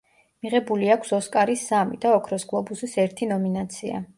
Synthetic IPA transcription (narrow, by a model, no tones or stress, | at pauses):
miʁɛbuliakʷʰsɔskʼaɾisːamḭd̪aɔkʰɾɔsɡlˠɔbusisɛɾt̪ʰinɔminat̪sʰia̰